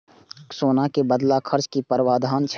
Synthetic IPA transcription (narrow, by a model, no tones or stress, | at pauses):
soːnakebəd̪lakʰəɾt͡ʃkipəɾwaːd̪ʱaːnt͡ʃʰ